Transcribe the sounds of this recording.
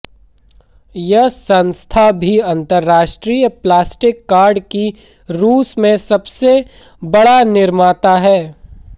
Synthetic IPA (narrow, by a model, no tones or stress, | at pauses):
jɐsɐ̃nst̪ʰabʱiɐ̃nt̪əɾːaːʃʈɾijəplaːsʈɪkːaːɾɖki | ɾuːsmẽsɐbse | bɐɽanɪɾmaːt̪aɦɛː